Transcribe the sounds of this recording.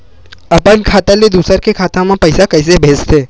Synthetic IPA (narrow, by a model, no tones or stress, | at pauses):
əpənkʰat̪aled̪usəɾkekʰat̪ʰamãpəjsakəjsebʱed͡ʒt̪ʰe